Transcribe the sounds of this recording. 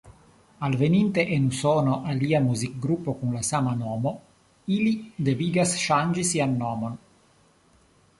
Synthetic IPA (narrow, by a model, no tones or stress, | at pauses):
alvenint̪eʔenusɔnoʔaliːamuzik̚ɡɾupːokunlasamanɔːmo | ilid̪eviːɡasʃand͡ʒisianːɔːmon